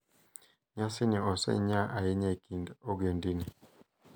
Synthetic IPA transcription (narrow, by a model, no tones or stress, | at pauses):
ɲasiniɔsɛ̰ɲaʔajiɲakindoɡondini